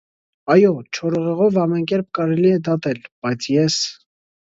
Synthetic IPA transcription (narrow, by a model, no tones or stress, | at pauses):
ɑjɔt͡ʃʰɔɾɔʁɛʁɔvɑmɛnkɛɾp̚kɑɾɛliɛd̪ɑt̪ɛlb̥ɑjt͡sʰjɛs